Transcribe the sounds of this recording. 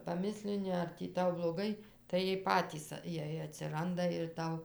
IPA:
pɐˈmʲɪsʲlʲɪnʲɪ ɐr ˈtʲiː ˈtɐʊ blˠoːˈɡɐɪ tɐɪ ˈjiɛj ˈpɑːtʲiːs ˈjiɛj ɐtʲsʲɪˈrɐndɐ ɪr ˈtɐʊ

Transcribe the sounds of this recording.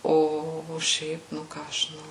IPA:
ˈoː oː ˈʃʲɛɪp nʊ ˈkɑː ɐʃ ʒʲɪˈnɐʊ

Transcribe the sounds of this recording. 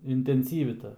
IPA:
ɪnʲtʲɛnʲˈsʲiːʋʲɪ ˈtɐ

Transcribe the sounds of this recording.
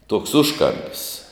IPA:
tuɔks ˈʊʃkɐmʲpʲɪs

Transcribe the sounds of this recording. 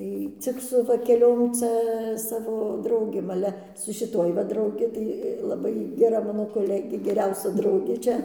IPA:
ˈtɐɪ ˈt͡sʲɪk sʊ ʋɐ kʲɛˈlʲoːm ˈt͡sʲɛ ˈsɑːʋoː ˈdrɐʊɡʲeːm ɐˈlʲɛ sʊ ʃʲɪˈtuɔj ʋɐ drɐʊˈɡʲɪ tɐɪ lˠɐˈbɐɪ ɡʲɛˈrɐ ˈmɑːnoː koːˈlʲæːɡʲeː ɡʲɛˈrʲɛʊsʲɛ ˈdrɐʊɡʲeː ˈt͡ʃʲɛ

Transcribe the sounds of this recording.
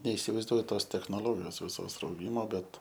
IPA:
nʲɛɪsʲɪʋɐɪzˈduɔjʊ ˈtoːs tʲɛxnoːˈlˠoːɡʲɪjoːs ʋʲɪˈsoːs rɐʊˈɡʲɪmoː ˈbʲɛt

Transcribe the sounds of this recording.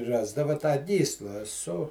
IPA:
ˈrɑːzdɐʋɐ tɑː ˈɡʲiːslˠɐ sʊ

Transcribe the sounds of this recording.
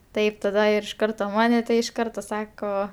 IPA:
ˈtɐɪp tɐˈdɐ ɪr ɪʃ ˈkɐrtoː ˈmɑːnʲɛ tɐɪ ɪʃ ˈkɐrtoː ˈsɑːkoː

